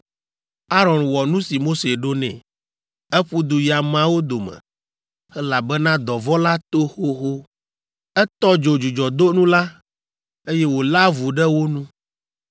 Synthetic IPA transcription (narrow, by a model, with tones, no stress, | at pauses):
a˦ɾɔ̃˨nwɔ˨nũ˦si˨mo˦se˨ɖo˦nɛ̰̃˨ | ɛ˦ɸu˦d̪u˨ji˨a˨mã˦wo˦d̪o˨mɛ̰̃˨ | ɛ˦la˨bɛ˦nã˦d̪ɔ˨vɔ˦la˦t̪o˦xo˦xo˦ | ɛ˦t̪ɔ˦d͡ʒo˨d͡ʒu˨d͡ʒɔ˨d̪o˦nũ˦la˦ | e˦jɛ˦wo˨la˦vu˨ɖɛ˦wo˦nũ˦